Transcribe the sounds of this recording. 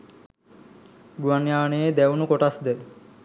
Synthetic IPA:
ɡuanjaːneed̪ɛwnukoʈasd̪ɛl

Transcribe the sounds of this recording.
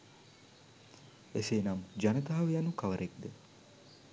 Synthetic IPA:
eseːnamd͡ʒanət̪aɦɐʋejanukɐʋəɾʔek̚d̪ə

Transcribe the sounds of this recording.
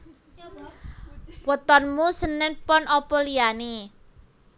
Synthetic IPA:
wət̪ɔnmusənɪnpɔnɔpɔliani

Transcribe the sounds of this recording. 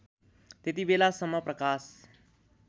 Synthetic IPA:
t̪et̪iʋelasəməpɾəkaːs

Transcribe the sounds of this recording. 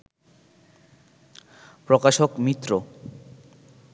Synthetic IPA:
pɾokaʃokmit̪ːɾo

